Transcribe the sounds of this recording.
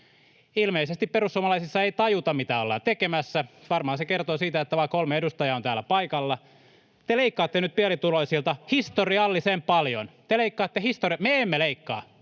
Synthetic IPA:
ilmeisest̪ipperusːuomɑlɑisisːɑeit̪ɑjut̪ɑmit̪æolːɑ̰ːt̪ekemæsːæʋɑrmɑhɑnsekert̪oːsiːt̪æet̪ːæʋɑikolmeedust̪ɑjɑont̪æːlːæpɑikɑlːɑ | t̪eleikːɑːt̪ːenyt̪̚piælit̪uloisilt̪ɑhist̪oriɑlːisempɑljo̰nt̪eleikːɑːt̪ːehist̪oriɑmeemːeleikːɑ̰ː

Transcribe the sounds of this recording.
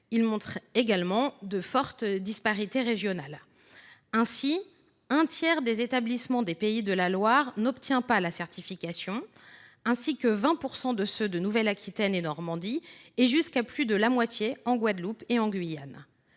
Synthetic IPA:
ilmɔ̃t̪χeɡalmɑ̃d̪əfɔʁt̪d̪ispaʁit̪eʁeʒjɔnal | ɛ̃si | ɛ̃t̪jɛʁd̪ezet̪ablismɑ̃d̪epeid̪əlalwaʁnɔpt̪jɛ̃palasɛʁt̪ifikasjɔ̃ | ɛ̃sikəvɛ̃puʁsɑ̃d̪əsød̪ənuvɛlakʲʰit̪ɛnenɔʁmɑ̃d̪ieʒyskaplyd̪əlamwat̪jeɑ̃ɡwad̪lupeɑ̃ɡɥijan

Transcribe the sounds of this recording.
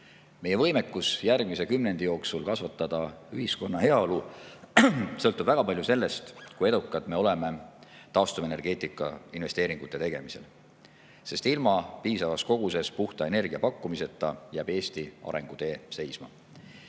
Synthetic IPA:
me̞jevɤ̞jmekːˑusjærɡ̥mise̞kymne̞nd̪̥ijo̞ːksulkɑsvɑt̪ːˑɑd̪̥ɑyhisko̞nːɑɦe̞ɑolu | sɤlt̪ːˑub̥væɡ̥ɑpɑlʲjuse̞lːe̞st̪kuje̞d̪ukːˑɑt̪me̞o̞le̞me̞ | t̪ɑost̪uve̞ne̞rɡ̥e̞ːt̪ˑikːˑɑ̰inve̞st̪e̞ːɾiŋɡ̥ut̪ːˑe̞t̪e̞ɡ̥emise̞̰l | se̞st̪ilmɑpiːsɑvɑsko̞ɡ̥use̞spuht̪ɑe̞ne̞rɡ̥iɑpɑkˑːumise̞t̪ːˑɑjæːb̥e̞ːst̪iɑ̰ɾe̞̰ŋɡ̥ut̪e̞ːse̞jsmɑ̰

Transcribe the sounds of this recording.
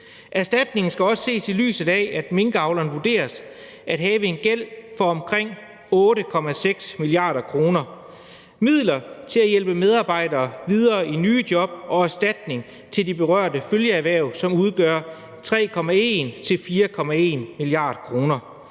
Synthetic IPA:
ʔæɐsd̥æd̥ne̝ŋn̩sɡ̥æɒ̽sə̥se̝̰ːsily̰ːsð̩ˠɛæd̥me̝ŋɡ̥ɑ̈ʊlɐːn̩ʋuɐd̥e̝̰ːɐs | æd̥ɦɛːʋəe̝nɡ̥el̰fɒ̽ɒ̽mkʰʁeŋ̰ | ɔ̽ːɾəkʰɒ̽mæseɡ̥smiliɑ̈ːd̥ɐkʰʁo̝ːnɐ | mið̞̰ˠlɐt͡sʰe̝læjelb̥əmeð̞ˠɑ̈ːb̥ɑ̈ɪ̰d̥ɐːʋiðˠɐːinyːd̥jɒ̽b̥̚ɒ̽æɐsd̥æd̥ne̝ŋ | t͡sʰe̝ldib̥e̝ʁɶɐ̰d̥əføljəæʋæɐ̰ʊsɒ̽muð̞ˠɡ̥ɶːɐ | t͡sʰʁɛ̰ːkʰɒ̽mæe̝̰nt͡sʰe̝lfiːɐkʰɒ̽mæe̝̰ːnmiliɑ̰̈ːd̥kʰʁo̝ːnɐ

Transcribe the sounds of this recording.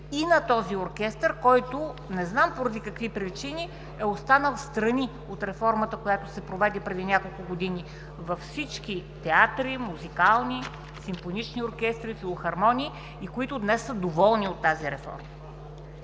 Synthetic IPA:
inɐt̪ɔzioɾkʲɛst̪əɾkɔjt̪onɛznampoɾɐd̪ikɐkvipɾit͡ʃini | ɛost̪anəlˠst̪ɾɐni | ot̪ɾɛfɔɾmət̪əkojat̪osɛpɾovɛd̪ɛpɾɛd̪inʲakolˠkʊɡod̪ini | vɐfsit͡ʃkit̪ɛat̪ɾimuzikalˠni | simfonit͡ʃnioɾkʲɛst̪ɾifilˠoxɐɾmɔniː | kʊit̪ʊd̪nɛsːəd̪ovɔlˠniot̪ːaziɾɛfɔ̰ɾmə

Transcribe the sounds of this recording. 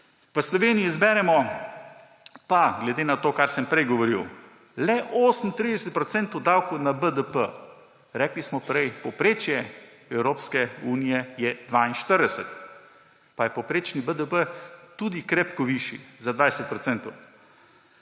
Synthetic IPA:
ʋəslɔʋeːnijiːzbɛːɾɛmɔ | paɡlɛd̪enat̪oːkaɾsəmpɾɛjɡɔʋɔɾiw | lɛʔoːsən̩t̪ɾid̪ɛsɛt̪̚pɾɔt̪sɛnt̪ɔwd̪aːwkownabəd̪əpə | ɾɛːklismɔpɾɛjpɔpɾeːt͡ʃjɛ | ɛwɾoːpskɛuːnijɛjɛd̪ʋainʃt̪əɾd̪ɛsət̪ | pajɛpɔpɾeːt͡ʃnibəd̪əpət̪uːd̪ikɾɛpkɔʋiʃizad̪ʋaːjsət̪̚pɾɔt̪sɛnt̪ɔw

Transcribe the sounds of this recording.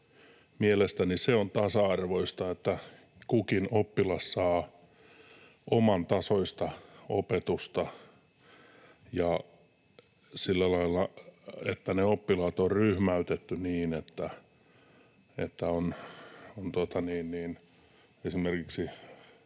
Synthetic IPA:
mielest̪æniseont̪ɑsɑɑrʋoist̪ɑet̪ːæ | kukinopːilɑssɑː | omɑnt̪ɑsoist̪ɑopet̪ust̪ɑ | jɑ | silːælɑilːɑḛt̪ːæneopːilɑːt̪orryhmæyt̪et̪ːyniːnet̪ːæ | ḛt̪ːæonont̪uot̪ɑniːnniːn | esimerkiksi

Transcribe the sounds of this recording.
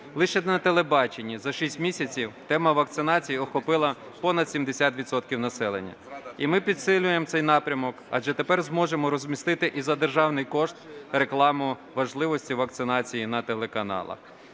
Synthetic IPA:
lˠɪʃɛnɐt̪elˠebɑt͡ʃenʲːizɐʃisʲtʲmʲisʲɐt͡sʲiwt̪ɛmɐʋɐk̚t̪sɪnɑt͡sʲijiɔxɔpɪlˠɐ | pɔnɐd̪̥sʲimd̪esʲat̪ʋʲid̪sɔt̪kʲiwnɐsɛlˠḛnʲːɐ̰imɪpʲid̪sɪlʲʊjemt̪sɛjnɑpɾʲɐmɔkɐ̰d͡ʒɛt̪e̞pɛrzmɔʒemɔɾɔzʲmʲist̪ɪt̪ɪʔizɐd̪erʒɑwnɪjkɔʃt̪re̞klˠɑmʊʋɐʒlˠɪʋɔsʲtʲiʋɐk̚t̪sɪnɑt͡sʲijinɐt̪elˠe̞kɐnɑ̰lˠɐ̰x

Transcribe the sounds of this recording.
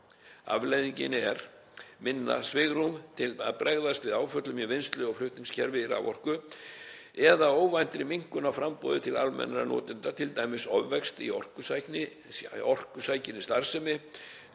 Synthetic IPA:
a̰vlejðiɲcɪ̰nɛɾ | mɪnːa̰svɪɣɾumt̪ʰɪlaðpɾʔɛɣðast̪vɪðaːwfœt̪lʏmjɛvɪnst̪lʏɔɣflʏht̪niŋscʰɛɾvɪɾa̰vɔr̥kʏ | ɛðaoːwvajnt̪ɾɪmiŋ̥kʏnawfɾampɔːðʏt̪ʰɪlalmɛ̰nɾanɔ̰ːt̪ɪnt̪at̪ʰɪlt̪aːjmɪsɔvːɛkst̪iɔ̰r̥kʏsajknɪ | ɔr̥kʏsaːjcɪnːɪst̪aɾ̥sɛmɪ

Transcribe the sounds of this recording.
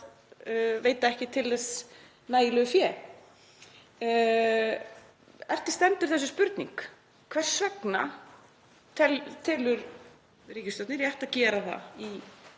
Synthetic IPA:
veːjt̪aɛhcɪt̪ʰɪlðɛs | naːjɪlœːʏfjɛː | ɛ̰r̥t̪ɪ̥st̪ɛnt̪ʏɾ̥θɛs̬ːʏspʏɾt̪nḭŋk | kʰvɛr̥svɛkna̰ | t̪ʰɛlt̪ʰɛːlʏɾ | riːcɪst̪ɔt̪nɪɾjɛht̪acɛːɾaθa̰i

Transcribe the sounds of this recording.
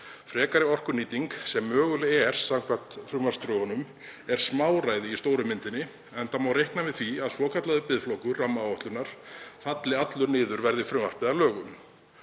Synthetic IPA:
fɾɛːkaɾɪɔr̥kʏɾniːt̪iŋksɛmːœːɣʏlɪɛɾ̥sawm̥kʰvḁt̪fɾʏmvḁst̪ɾʏhɔnʏm | ɛɾ̥smaːwraːjðɪist̪oːwɾʏmːɪnt̪ɪnːɪ | ɛnt̪amawɾejhknavɪðθviaðsvɔːkʰat̪laðʏpɪðflowkʏrːamːaɔht̪lʏnaɾ̥fat̪lɪat̪lʏɾnɪːðʏɾvɛɾðɪfɾʏmar̥pɪðalœːɣʏm

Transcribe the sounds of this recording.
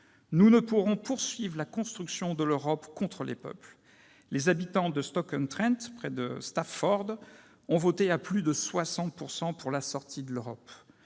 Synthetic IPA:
nunəpuʁɔ̃puʁsɥivʁlakɔ̃st̪χyksjɔ̃d̪əløʁɔpkɔ̃t̪χəlʔḛpœ̰pl | lezabit̪ɑ̃d̪əst̪ɔkɔnt̪χɛ̃nt̪pχɛd̪əst̪affɔʁd̪ | ɔ̃vot̪eaplyd̪əswasɑ̃t̪̚puʁsɑ̃puʁlasɔʁt̪id̪əløʁɔp

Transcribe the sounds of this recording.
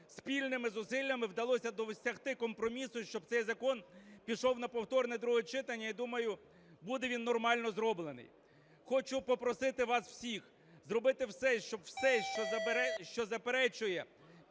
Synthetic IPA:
spʲilʲnɪmɪzʊsɪlʲːɐmɪwd̪ɐlˠɔsʲɐd̪ɔʋsʲɐɦt̪ɪkɔmpɾɔmʲisʊʃt͡ʃɔb̚t̪sɛjzɐkɔnpʲiʃɔwnɐpɔwt̪ɔrnɛd̪ɾuɦɛt͡ʃɪt̪ɐnʲːɐid̪umɐjʊ | bud̪ɛʋʲinːɔrmɑlʲnɔzɾɔblˠenɪ̰j | xɔt͡ʃʊpɔpɾɔsɪt̪ɪʋɑsw̥sʲix | zrɔbɪt̪ɪwsɛʃt͡ʃɔbwsɛʃt͡ʃɔʃt͡ʃɔzɐpeɾɛt͡ʃʊjɛ

